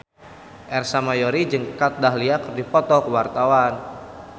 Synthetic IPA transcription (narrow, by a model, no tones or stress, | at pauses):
ʔɛrsamajɔɾid͡ʒəŋkat̪̚daɦliakrdipɔt̪ɔkəwart̪awan